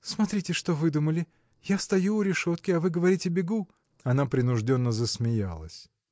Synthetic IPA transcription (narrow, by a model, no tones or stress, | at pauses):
smɐt̪ɾʲitʲɪʂt̪o̞vɨd̪uməlʲɪ | jast̪ɐjuʊɾʲɪʂo̞t̪kʲɪɐvɨɡəvɐɾʲitʲɪbʲɪɡu | ɐnapɾʲɪnʊʐdʲo̞nːəzəsmʲɪja̰lˠə̰sʲ